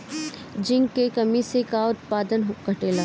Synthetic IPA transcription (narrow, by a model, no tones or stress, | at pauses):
d͡ʒɪ̃ŋɡkekɐmisekaʊt̪̚paːd̪ənɦɡɐʈeːlaː